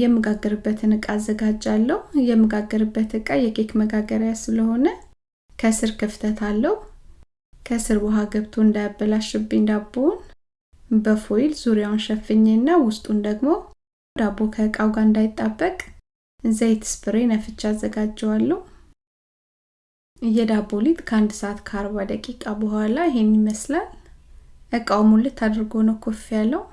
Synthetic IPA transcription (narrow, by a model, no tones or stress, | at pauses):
jɛmːɨɡaɡːəɾɨbːət̪ʰɨnɨkʼaːzːəɡad͡ʒːalːəhjɛmːɨɡaɡːəɾɨbːət̪ɨkʼajɛkʰʼekməɡaɡəɾjasɨləho̞nə | kʰəsɨɾkʰɨft̪ʰət̪ʰalːəhu | kʰəsɨɾwɔɦaɡəβt̪ʰuɨnd̪ajabːəlaʃɪbɪnd̪abːəwn | bəfojɪlzuɾjawnʃɛfːɨɲːenːawʊst̪ʼund̪əɡmo̞ | d̪abːo̞kʰəkʼawɡaɨnd̪ajɪt̪ʼːabːəkʼ | zəjt̪ʰɨ̥spʰɨɾenəfɨt͡ʃːazːəɡad͡ʒːɛwalːə | ɨjɛd̪abːolit̪ʼkʰəand̪səat̪kʰaɾbad̪əkʼikʼabəhʷalaɪhe̞nːiməslal | ʔɨkʼawmulːɨt̪ʰːad̪əɾɡonəwkʰo̞fijalːəwu